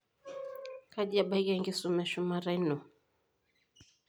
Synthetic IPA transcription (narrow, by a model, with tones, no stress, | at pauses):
ka˦ʄia˨ɓa˦i˦ɡaŋɡi˦su˦mɛ˨ʃu˦ma˨ɾa˦i˦nu˨